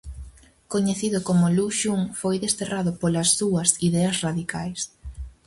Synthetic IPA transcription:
koɲeθiðʊkomʊluʃuŋfojðest̪eraðʊpolɐsːuɐsiðɛɐsraðikajs

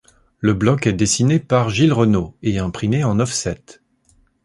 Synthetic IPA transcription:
ləblɔkɛd̪esinepaʁʒilʁənoeɛ̃pχimeɑ̃nɔfsɛt̪

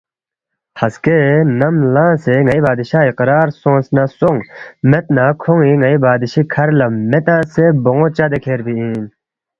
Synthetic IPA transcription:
hɐskenɐmlãːseŋɐibaːd̪iɕaːiqɾaːɾsõːnsnasoŋmet̪̚nakʰoŋiŋɐibaːd̪iɕikʰɐɾlɐmet̪ãːseboŋot͡ɕad̪ekʰeːɾbiĩːn

